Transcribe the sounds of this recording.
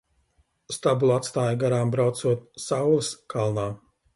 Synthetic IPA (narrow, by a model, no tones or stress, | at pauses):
st̪abulˠat̪st̪aːjɡaɾaːmbɾawt̪suɔt̪̚sawlˠɨskalˠnaː